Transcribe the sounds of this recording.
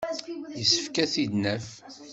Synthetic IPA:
jəsːə̥fkæθid̪næf

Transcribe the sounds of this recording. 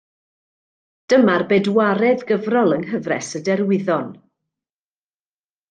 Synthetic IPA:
d̥əmarbeːdwaɾɛðɡəvrɔlˠənɦəvrɛ̰sədɛrwɪðɔn

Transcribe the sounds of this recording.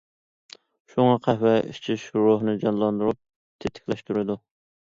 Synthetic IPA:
ʃuŋɑqʰæhwɛḭt͡ʃʰiʃɾoɦnɨd͡ʒɑnlˠɑnd̪uɾup̚ | t̪ʰet̪ʰːɪ̥kʲlɛʃt̪uɾɪd̪u

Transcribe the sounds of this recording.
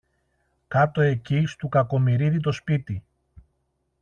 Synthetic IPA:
kɐt̪o̞e̞cist̪ukɐko̞miɾiðit̪o̞spit̪i

